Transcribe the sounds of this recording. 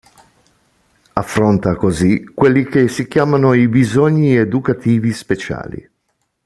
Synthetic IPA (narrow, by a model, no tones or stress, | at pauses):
afːɾont̪akozikːwelːik̟esik̟jaːmanoibizoɲːied̪ukat̪ʰiːvispet͡ʃa̰ːlḭ